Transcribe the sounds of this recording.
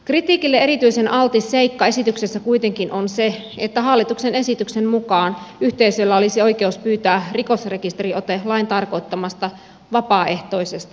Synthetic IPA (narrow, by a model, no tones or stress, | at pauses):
krit̪iːkilːeeɾit̪yisenʔɑlt̪isːeikːɑe̞sit̪yksesːækuit̪eŋkinʔonse | et̪ːæɦɑlːit̪uksene̞sit̪yksemmukɑːnyht̪eisølːæolisio̞ikeuspyːt̪æːrikosrekist̪eriot̪elɑint̪ɑrko̞it̪ːɑmɑst̪ɑ | ʋɑpɑːe̞ht̪oisest̪ɑ̥